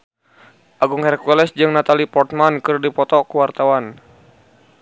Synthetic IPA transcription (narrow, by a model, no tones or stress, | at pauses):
ʔaɡuŋhɛrkuɛlɛsd͡ʒɨŋnat̪alipɔrt̪̚mankɨrdipɔt̪ɔkuwart̪awan